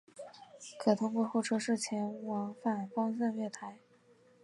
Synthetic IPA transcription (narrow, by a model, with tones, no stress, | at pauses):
kʰɤ˨˩t̪ʰʊ˧˥ŋkwɔ˥˧xo˥˩ʈ͡ʂʰɤ˥ʂɻ̩˥˩t͡ɕʰjɛ˧˥nwɑ˧˥ŋfa˥˩nfɑ˥ŋsa˥˧ŋɥɛ˥˩t̪ʰa˧˥ɪ